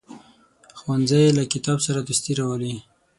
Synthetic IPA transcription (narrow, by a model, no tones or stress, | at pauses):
xwanzajelakɪt̪ɑbsaɾad̪ʊst̪iɾɑwəli